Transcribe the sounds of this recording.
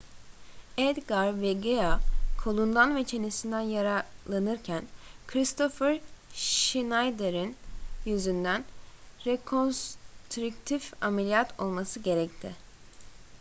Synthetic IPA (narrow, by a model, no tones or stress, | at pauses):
ed̪ɡaɾvɛɡeakʰolˠund̪anve̞t͡ʃʰe̞nisind̪ænjaɾalˠːanɯɾcʰænkʰɾist̪ʰo̞fɛɾʃinajd̪eɾinjyzynd̪ænɾekʰo̞nst̪ɾukt̪ʰifamelʲijat̪ʰo̞lˠmasɯɟe̞ɾɛc̚t̪ʰɪ